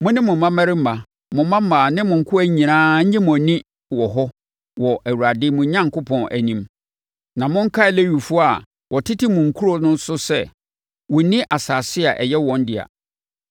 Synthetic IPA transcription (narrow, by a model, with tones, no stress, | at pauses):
mʊ̃˦nɪ̃˦mʊ̃˨mã˦mæ˦ɾɪ˦m̩˦ma˨ | mʊ̃˨mã˦m̩˦mãː˨nɪ̃˦mʊ̃˨ŋ̩˨kʰʊ˦æ˦ɲĩ˨nãː˦ɲ̩˦ɲɪ̃˦mʊ̃˨nĩ˦ | wɔ˨ɦɔ˦ | wɔ˨ʔæ˨wu˨ɾa˨dɪ˦mʊ̃˨ɲã˦ŋkʰʊ˦pʰɔ̃˨nʔæ̰˨nĩ˦m | nã˨mʊ̃˦ŋ̩˦kʰa˦ɪ˨le˦ɥu˨fʊ˦a˨ | wʔɔ˨tʰɪ˦tʰɪ˦mʊ̃˨ŋ̩˨kʰu˦ɾɔ˦nʊ̃˦n˦sʊ˦sɛ˦ | wɔ̃˨˦nĩ˦ʔa˨saː˨sɪ˦a˨ʔɛ̰˨jɛ˦wɔ̃˨n˦dɪ˨a̰˨